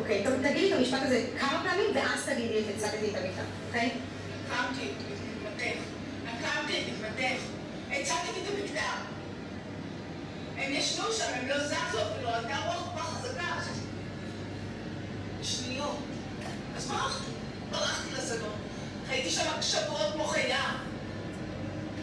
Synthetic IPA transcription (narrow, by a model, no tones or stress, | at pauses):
okejt̪at̪ɐɡidt̪amiʃpat̪azekʰamapɛamimveʔazt̪aɡid̪etet͡sat̪aɡid̪t̪amikd̪a̰mokej | akamkitmititmat̪eχ | akamkititmat̪eχ | et͡sat̪aɡit̪amikd̪a | emjaʃduʃamemlozaχloviload̪aʁoaχbaχazaɡaχt̪ | ʃnijot | azbaʁaχt̪i | baʁaχt̪ilazanon | ʁait̪iʃamakʃavot̪̚kmoχajav